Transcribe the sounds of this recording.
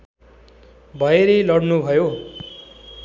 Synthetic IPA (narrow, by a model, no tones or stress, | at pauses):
bʱʌeɾʌlʌɽnubʱʌjo